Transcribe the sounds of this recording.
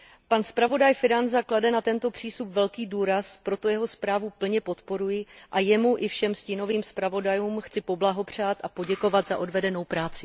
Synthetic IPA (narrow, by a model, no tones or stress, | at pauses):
panspɾavo̞dajfɪɾanzakladɛnat̪ɛnt̪o̞pr̝̥iːst̪upvɛlkiːduːɾaspɾo̞t̪o̞jɛɦo̞spɾaːvupl̩ɲɛpo̞t̪po̞ɾujɪʔajɛmuʔɪfʃɛmscɪno̞viːmspɾavo̞dajuːmxt͡sɪpo̞blaɦo̞pr̝̥aːt̪ʔapo̞ɟɛko̞vat̪zaʔo̞dvɛdɛno̞wpɾaːt͡sɪ